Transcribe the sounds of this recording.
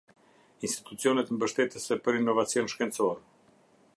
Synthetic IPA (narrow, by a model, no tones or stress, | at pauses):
inst̪i̥t̪ut͡sjɔnɛt̪mbəʃt̪ɛt̪əsɛpəɾinːɔvat͡sijɔnʃkɛnt͡sɔɾɛ